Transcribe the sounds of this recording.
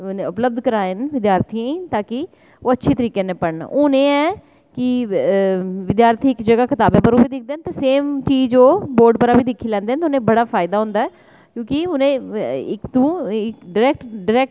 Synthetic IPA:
neʊpləb̚d̪kəɾaːenʋɪd̪jaːɾt̪ʰiãĩːt̪aːkɪ | oːətːʃʰeːt̪əɾiːkeːnẽːpəɳʊnẽːɛː | kɪ | ʋɪd̪jaːɾt̪ʰiːɪkd͡ʒəɡaːkɪt̪aːbẽːpəɾoːbiːd̪ɪk̚d̪eːnt̪aseːmt͡ʃiːd͡ʒoːboːɾɖpəɾaːbiːd̪ɪkʰːiːlɛ̃ːnd̪eːnʊnẽːbəɽaːpʰaːɪd̪aːɦõːnd̪aːɛː | kjõːkɪʊnẽːɪkt̪õːɪkɖɪɾɛːk̚ʈɖɪɾɛːk̚ʈ

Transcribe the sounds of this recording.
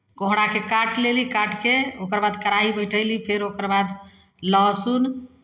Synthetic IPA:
koɦɽakekaʈlelikaʈkeokəɾbad̪kəɾaibəjʈʰəjlipʰeɾokəɾbad̪ | ləɦsun

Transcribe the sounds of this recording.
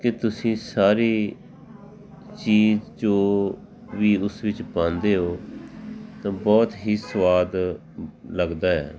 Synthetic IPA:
ket̪ʊsĩːsaːɾiː | t͡ʃiːzd͡ʒoː | ʋiːʊsʋɪt͡ʃpãːnd̪eːɦoː | t̪ãːbɔːt̪ɦiːsʋaːd̪ | ləɡd̪aːɛ̰ː

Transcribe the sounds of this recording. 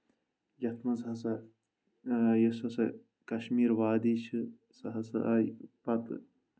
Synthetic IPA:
jɐt̪ʰmɐsɦɐsɐ | jɐsɐsɐ | kɐʃmiːɾʋaːd̪it͡ʃʰɨ | sɐɦɐsɨ̰ʔajpɐt̪

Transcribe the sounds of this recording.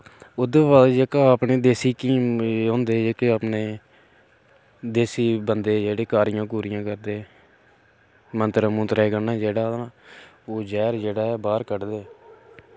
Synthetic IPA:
ʊd̪əːʋaːld͡ʒekaaːpneːd̪eːsiːkiːɦõːnd̪eːd͡ʒekeːapneː | d̪eːsiːbənd̪eːd͡ʒeːɽeːkaːɾɪjãːk̬uːɾɪjãːkəɾd̪eː | mənt̪əɾəmʊ̃ːt̪ɾɛːɡənːãːd͡ʒeːɽaːaː | oːd͡ʒɛːɾd͡ʒeːɽaːɛːbaːɾkəɽd̪eː

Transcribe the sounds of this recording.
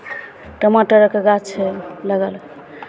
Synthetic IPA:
ʈəmaʈəɾəkeɡat͡ʃʰɛləɡəl

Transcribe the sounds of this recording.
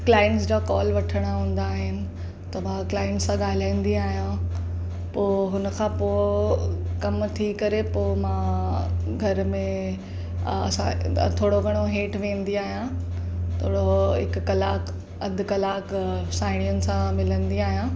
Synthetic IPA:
klaːɪə̃ɳʈsd͡ʑaːkɔːlʋɐʈʰəɽ̃aɦũːn̆d̪aːɦɪnɪ̆ | t̪ɐʋãklaːɪ̃ɳʈsãɠaːl̤aːĩn̆d̪iaːɦijã | poːɦʊnəkʰãːpoː | kɐmt̪ʰikɐɾepoːmãː | ɡʱɐɾmẽ | ɐ̰sãt̪ʰoːɽoɡʱɐɽ̃oɦeːʈʋẽːnd̪iaːɦijã | t̪ʰoːɽoɦɪkkɐlaːk | ɐd̪ʱkɐlaːksãːɪɽ̃ijənɪ̆sãmɪlənd̪iaːɦijã

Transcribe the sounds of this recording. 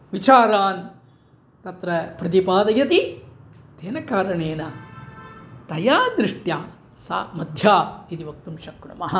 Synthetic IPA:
ʋit͡ʃaːɾaːn | t̪ɐt̪ɾɐpɾɐt̪̬ipaːd̪ɐjɐt̪i | t̪eːnɐkaːɾɐɳeːnɐ | t̪ɐjaːd̪ɾiʂʈjaː | sa̰ːmɐd̪ʱjaːit̪iʋɐk̚t̪umʃɐkɳɐ̰mɐɦɐ

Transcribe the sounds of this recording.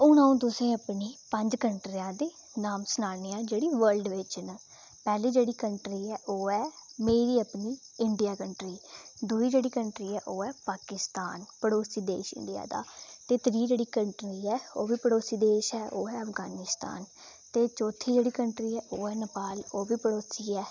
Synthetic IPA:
ʊnãːũːt̪̬ʊsẽːəpniːpəɲd͡ʒkəɳʈɾɪjãːd̪eː | naːmsənaːlneːãːd͡ʒeːɽiːʋəɾlɖʋɪt͡ʃnə | pɛːliːd͡ʒeːɽiːkəɳʈɾiːɛːʔoːɛːmeːɾiːəpniː | ɪɳɖijaːkəɳʈɾiːd̪uːiːd͡ʒeːɽiːkəɳʈɾiːɛːʔoːɛːpaːkɪst̪aːnpəɽoːsiːd̪ḛːʃɪ̰ɳɖɪja̰ːd̪a̰ːt̪eːt̪ɾiːd͡ʒeːɽiːkəɳʈɾiːɛːoːʋiːpəɽoːsiːd̪eːʃɛːʔoːɛːəfɡaːnɪst̪a̰ːn | t̪eːt͡ʃɔːt̪ʰiːd͡ʒeːɽiːkəɳʈɾiːɛːʔoːɛːnəpaːloːʋiːpəɽoːsiːɛː

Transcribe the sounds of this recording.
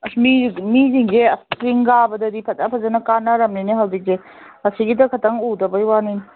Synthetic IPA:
smimiziŋɡeɐspɾiŋɡabɐdɐdipʰɐtapʰɐzɐnɐkanːaɾɐmniniɦawzik̚de | ɐsiɡidɐkʰɐtɐŋudɐbɐjwanin

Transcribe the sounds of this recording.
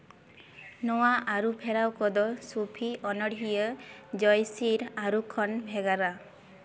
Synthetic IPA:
nɔwaʔaɾupʰeɾawkɔd̪ɔsupʰiʔɔnɔɽʱijəd͡ʒɔjsiɾaɾukʰɔnbʱeɡaɾa

